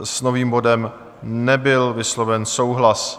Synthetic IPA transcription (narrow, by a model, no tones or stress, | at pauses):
sno̞viːmbo̞dɛm | nɛbɪlvɪslovɛnsowɦlas